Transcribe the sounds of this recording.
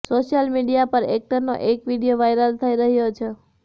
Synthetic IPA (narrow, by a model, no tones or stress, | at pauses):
soʃjəlmiɖijapəɾek̚ʈəɾno̰ʔekʋiɽijoʋajɾəlt̪ʰəiɾəɦjot͡ʃʰe